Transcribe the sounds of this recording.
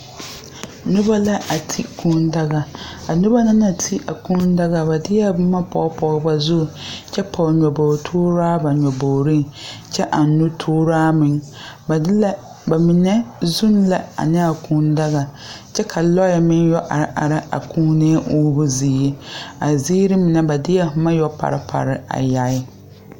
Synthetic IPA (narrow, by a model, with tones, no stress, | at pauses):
nʊ˦ba˦la˦ʔa˨tʰi˦kʰũː˦n˦da˦ɣa˨a˨nʊ˦ba˦na˦na˨tʰi˦ʔa˨kũ˦n˦da˦ɣa˨ba˨dɪ˦ja˦˨bʊ˦ma˦pɔ˨˦pɔ˨˦ba˨zʊ˦˨t͡ʃɛ˦pʰɔ˨ɲɔ˨bo˨tʰoː˦ɾaː˦ba˨ɲʷɔ˨bo˨ɾi˦ŋt͡ʃɛ˦ʔa˨n˨nu˦tʰoː˦ɾaː˦mɪ˨ŋba˨dɪ˦la˦ | ba˨mɪ˨nɛ˦zu˦nla˨a̰˨nɪ˦a˨kʰu˦n˦da˦ɣa˨ | t͡ʃɛ˦kʰa˨lɔ˦jɛ˨mɪ˦n˦jɔ˦ʔa˨ɾʔa̰˨ɾɪ˦a̰˨kʰũː˦ne˦ʔuː˦bʊ˦ziː˨˦je˦a˨ziː˦ɾɪ˦mɪ˨nɛ˦ba˨dɪ˦jɛ˦hʊ˨ma˦jɔ˦pa̰˨ɾɪ˦pʰa̰˨ɾɪ˦a̰˨ja˨˦ɪ˦